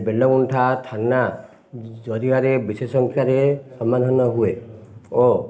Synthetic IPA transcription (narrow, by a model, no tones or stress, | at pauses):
belːɔɡunʈʰat̪ʰanːa | d͡ʒɔd̪iaɾebisesɔŋkʰjaɾesɔmːad̪ʱɔnɔɦueɔ